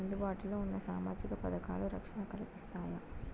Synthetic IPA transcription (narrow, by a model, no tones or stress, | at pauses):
nd̪ubaːʈiloːunːɐsaːmaːd͡ʒikɐpɐd̪ɐka̰ːluɾɐkʂɐɳɐkɐlɐpist̪aːjɐ